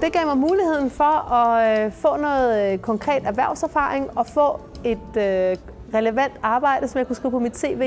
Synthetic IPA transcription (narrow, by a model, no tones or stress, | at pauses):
d̥e̝ɡ̥ɛ̰ʊmɑ̈ɪmuːlihe̝ð̞̰ˠn̩fɒ̽ɒ̽fɔ̰̽ːnɔ̽ːð̩ˠkʰɒ̽ŋkʰʁɛ̰ːd̥æɐʋæɐ̰ʊsæɐfɑ̈ːʁeŋɒ̽fɔ̰̽ː | e̝d̥ø | ʁɛləʋæn̰d̥ɑ̈ːb̥ɑ̈ɪ̰d̥əsɒ̽mjɑ̈ɪkʰusḭʊ̰pʰɒ̽mid̥̚t͡sʰe̝̰ːʋe̝̰ː